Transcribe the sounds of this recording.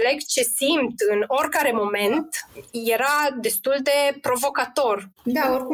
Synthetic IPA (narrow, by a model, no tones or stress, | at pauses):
le̞ɡt͡ʃe̞simt̪ɨno̞rʲkaɾe̞mo̞me̞nt̪je̞ɾad̪e̞st̪uld̪e̞pɾo̞vo̞kat̪o̞rd̪aoɾku